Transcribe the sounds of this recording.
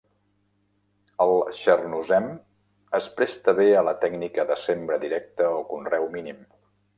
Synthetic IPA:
əlˠʃərnuzɛm | əspɾɛst̪əβeələt̪ɛɡnikəðəsembɾəðiɾɛk̚t̪əokunrɛwminim

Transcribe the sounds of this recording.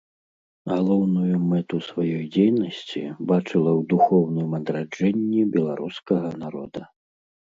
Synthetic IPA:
ɣalˠɔwnujumɛt̪usvajɔjd͡zʲejnɐsʲt͡sʲḭbat͡ʂɨlˠɐwd̪uxɔwnɨmɐd̪ɾad͡ʐɛnʲːibʲɛlˠaɾuskɐɣɐnaɾɔ̰d̪ɐ

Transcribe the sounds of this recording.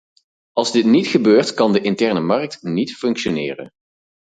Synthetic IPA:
ɑlˠzdɪtnitχəbøːɹtkɑndəʔɪntɛɹnəmɑɹk̚tnitfɵŋkʃonɪːrə̰n

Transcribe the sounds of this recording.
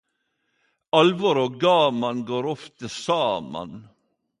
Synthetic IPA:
ɑlʋɔɾoːɡɑːmɑnɡoːɾɔft̪əsɑːmɑ̰n

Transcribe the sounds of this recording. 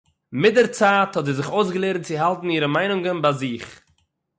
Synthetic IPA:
mɪdɛɾt͡saːthɔtziːzɪχoʊsɡəlˠeɾnt͡sɪɦalˠtn̩iːɾəmaɪnʊŋɡənbaːziːχ

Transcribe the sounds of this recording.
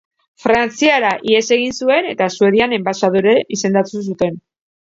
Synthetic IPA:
fɾant͡siaɾaʔie̞se̞ɣ̞insue̞ne̞t̪asue̞ð̞iane̞mbasaðuɾeʔise̞nd̪at̪us̬ut̪e̞n

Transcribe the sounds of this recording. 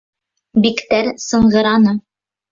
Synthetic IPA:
bikt̪æɾsɤ̆ɴɢɤ̆ɾɑnɤ

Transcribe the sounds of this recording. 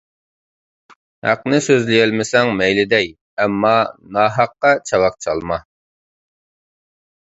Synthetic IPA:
hæ̰qnɪsøzlɪjɛlmɪsɛŋmɛjlɪd̪ɛj | ɛmːɑnɑɦɑqːɑt͡ʃʰɑwɑq̚t͡ʃʰɑlˠmɑ

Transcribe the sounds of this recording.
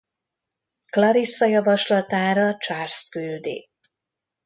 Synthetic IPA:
klɒɾisːɒjɒvɒʃlɒt̪aːɾɒt͡ʃaːrst̪kyld̪ḭː

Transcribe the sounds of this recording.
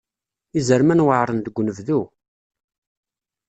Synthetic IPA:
izəɾmænwəʕɾˤənd̪əɡʷːnəvðu

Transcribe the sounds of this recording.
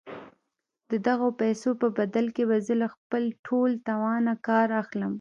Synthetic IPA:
d̪̥əd̪aɣopajsopəbad̪alkeβazəlaxpəlʈʰolt̪awɑnakɑɾaxləm

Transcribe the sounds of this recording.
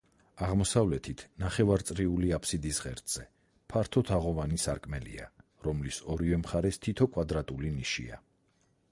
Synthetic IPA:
aʁmɔsavlɛt̪ʰit̪ʰnaχɛvaɾt̪sʼɾiuliapʰsid̪isʁɛɾt̪ʼz̥ɛ | pʰaɾt̪ʰɔt̪ʰaʁɔvanisaɾkʼmɛlḭa | ɾɔmlisɔɾivɛmχaɾɛst̪ʰit̪ʰɔkʼwad̪ɾat̪ʼuliniʃḭa̰

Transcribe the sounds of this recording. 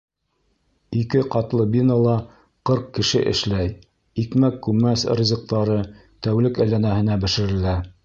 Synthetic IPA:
ikɘqɑt̪lˠɤbinolˠɑ | qɤɾq̚kɘ̆ʃɘ̰ʔɘ̰̆ʃlæj | ikmækːʉmːæsɾʲizɤ̆q̚t̪ɑɾɤ | t̪æwlɘkæjlænæhɘ̆næbɘ̆ʃɘ̆ɾɘ̆læ

